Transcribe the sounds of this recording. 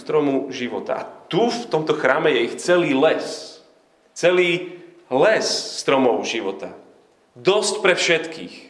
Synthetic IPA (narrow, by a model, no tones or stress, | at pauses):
st̪ɾɔmuʒiʋɔ̰t̪a̰ʔa̰t̪uft̪ɔmt̪ɔxɾaːmɛjɛixt͡sɛliːlɛs | t͡sɛliː | lɛsːt̪ɾɔmɔʊʒiʋɔt̪a̰ | d̪ɔscpɾɛfʃɛt̪kḭːx